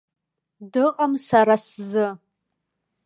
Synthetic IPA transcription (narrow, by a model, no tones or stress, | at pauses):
dɨqʼamsaɾaszɨ